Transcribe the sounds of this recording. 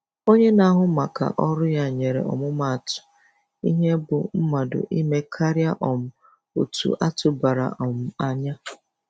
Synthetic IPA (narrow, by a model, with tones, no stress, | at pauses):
o˦ɲe˦na˦ɦʊ˦ma˨ka̰˨ʔɔ˦ɾʊ˦ja˦ɲe˨ɾḛ˨ɔ̰˨mʊ˦ma˨tʊ̥˨ | ḭ˦ɦe˦bʊ˨m̩˦ma˨dʊ̰˨ʔi˦me˦kʰa˦ɾja˦ʔɔ˨m̩˦ | o˨tṵ˨˦ʔa˦tʊ˨ba˨ɾa̰˨ʔɔ˨m̩˦a˦ɲa˦